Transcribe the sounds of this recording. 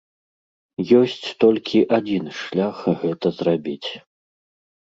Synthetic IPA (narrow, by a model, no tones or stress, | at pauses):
jɔsʲt͡sʲt̪ɔlʲkʲʰiʔad͡zʲinʂlʲaxɣɛt̪ɐzrabʲit͡sʲ